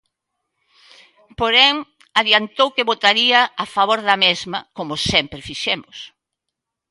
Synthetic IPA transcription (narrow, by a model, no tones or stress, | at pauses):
poɾɛŋ | aðjant̪owkeβot̪aɾiɐafaβoɾðɐmezmɐkomʊsɛmpɾefiʃɛmʊs